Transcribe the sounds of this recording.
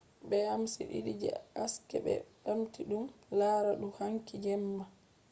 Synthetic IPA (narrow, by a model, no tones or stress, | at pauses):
bɛamsḭɗḭɗid͡ʒɛ̰askɛ̰ɓɛ̰ɗamtiɗumlaːɾaɗuhaŋkid͡ʒɛmːa